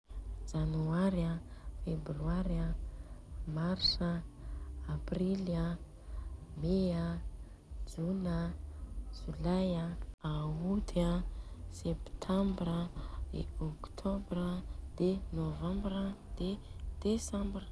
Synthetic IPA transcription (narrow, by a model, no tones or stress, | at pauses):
d͡ʒanuaɾafebryaɾa | marsa | aprila | mea | d͡ʒuna | ʒ̥ulajaaud̪asept̪ʰambrədḛɔkt̪ʰobrəd̪̥enovãmbrə | d̪̥ed̪̥esãmbr